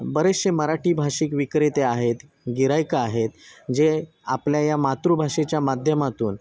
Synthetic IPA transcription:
bəɾeɕeməɾaʈiːbʱaʂikʋikɾet̪eaɦet̪ | ɡiɾajkaːɦet̪d͡ʑe | apljajamat̪ɾubʱaʂet͡ɕjamad̪ʱjəmat̪ṵːn

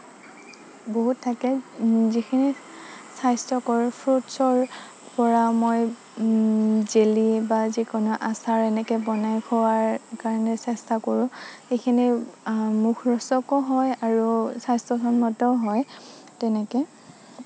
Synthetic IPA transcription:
boɦutʰːakɛzikʰini | sajstɔkɔɹpʰɹutsɔɹ | pɔɹamoj | zelibazikɔnɔʔasaɹɛnɛkɛbɔnajkʰɔwaɹkaɹɔnɛsɛstakoɹʊ̃xekʰini | mukʰɹɔsɔkɔɦɔjaɹusajstɔkʰɔnmɔtɔɦɔj | tɛnɛkɛ

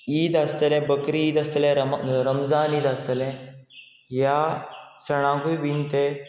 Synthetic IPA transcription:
iːd̪ast̪əlẽbəkɾiiːd̪ɐst̪əlẽɾɐmɾəmzaːniːd̪ɐst̪əlẽ | jasɐɽ̃ãːkujʋiːnt̪e

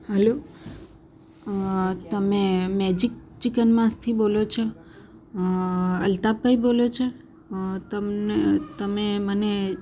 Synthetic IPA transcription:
həlo | t̪əmemɛd͡ʒik̚t͡ʃikənmãst̪ʰibolot͡ʃʰe | əlt̪ab̚bʱaibolot͡ʃʰe | t̪ət̪əmeməne

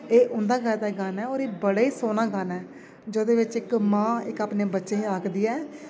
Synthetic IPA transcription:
eːʔʊ̃nd̪aːkɛːt̪aːɡanɛːoːɾeːbəɽaːiːsoːnãːɡanɛː | d͡ʒoːd̪eːʋɪt͡ʃɪkmãːɪkaːpneːbətːʃeːiaːkʰd̪iːɛː

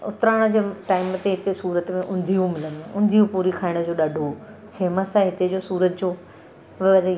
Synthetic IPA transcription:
ʊ̰t̪ɾaːɽ̃ə̆d͡ʑeːʈaːɪmət̪eɦɪt̪esuːɾət̪mẽʔʊ̃nd̪ʱijũmɪlə̃nd̪oʔʊ̃nd̪ʱijũpuːɾikʰaːɪɽ̃ə̆d͡ʑoːɗaːɖʱo | ʃeːmə̃sãɦɪt̪ed͡ʑoːsuːɾət̪d͡ʑoː | ʋə

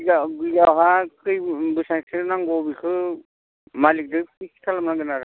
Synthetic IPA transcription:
aɡiɡawɦakɯjbɯsasʰɯnaŋɡɔbikʰɯ | malik̚dɯkikʰi̥tʰalamnaɡɯnaɾ

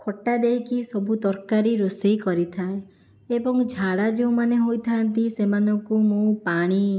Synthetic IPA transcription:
kʰɔʈːad̪ejkisɔbʱut̪ɔɾkaɾiɾosejkɔɾit̪ʰae | ebɔŋd͡ʒʱaɽad͡ʒeũmaneɦojt̪ʰant̪isemanɔŋkumũpaɽ̃i

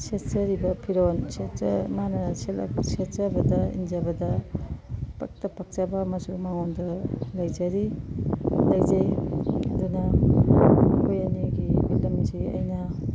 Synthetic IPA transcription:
setzɐɾibɐpʰiɾonsemanɐsel̰set̚zɐbɐdɐḭnzɐbɐdɐ | pɐ̰k̚tɐpɐk̚t͡ʃabɐmɐsumaŋondɐlajzɐɾi | lajzejɐdunɐ | mɐkʰojɐniɡiulɐmsiɐ̰jnɐ

